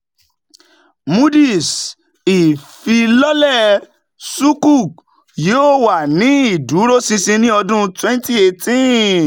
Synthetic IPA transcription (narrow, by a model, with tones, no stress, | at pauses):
mu˦di˦˨s | i˨fi˧lɔ˦lɛ˦˨ | su˦ku˦˨k | jo˦˨wa˨nĩ˨˦i˦˨du˨˦ɾo˦sĩ˧sĩ˧nĩ˦ɔ˧dũ˦twɛ̃˦n˦ti˦e˧tĩ˦